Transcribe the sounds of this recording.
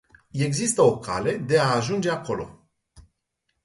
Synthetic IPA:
e̞ɡzist̪əo̞kʰa̰le̞d̪e̞aːʒund͡ʒe̞ako̞lo̞̰

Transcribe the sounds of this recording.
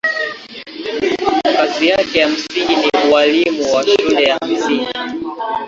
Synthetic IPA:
kazijakɛjam̩siŋɡiniualimuwaʃulɛjam̩siŋɡi

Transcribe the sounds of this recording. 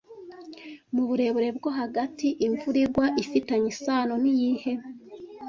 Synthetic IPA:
muβuɾe̞βuɾe̞b̚ɡo̞ɦaɡatiʔiɱvuɾiɾɡwaʔifitaɲisaːnonijiːhe̞

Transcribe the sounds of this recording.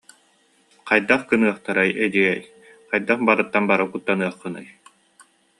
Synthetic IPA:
qajd̪aχkɯnɯɐχt̪aɾajɛd̪iɡɛj | qajd̪aχbaɾɯt̪ːanbaɾakut̪ːanɯɐχːɯnɯ̰j

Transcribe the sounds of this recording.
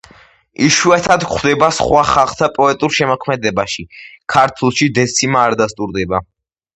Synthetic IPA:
iʃuɛt̪ʰad̪kʰχʰd̪ɛbasχwaχalˠχt̪ʰapʼɔɛt̪ʼuɾʃɛmɔkʰmɛd̪ɛbaʃikʰaɾt̪ʰulˠʃid̪ɛsʰimaːɾd̪ast̪ʼuɾd̪ɛba

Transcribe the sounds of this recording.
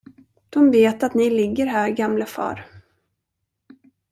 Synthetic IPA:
d̪̥ɔmveːt̪at̪nɪlɪɡːəɾɦæːɾɡamləfɑ̰ːɾ

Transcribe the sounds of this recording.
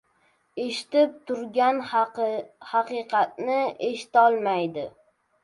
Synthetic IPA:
e̞ʃɪ̥t̪ɪp̚t̪ʰʊɾɡʲan | hɑqʰɨjqʰɑt̪̚nɪeʃɪ̥t̪ɒlˠmajd̪ɪ

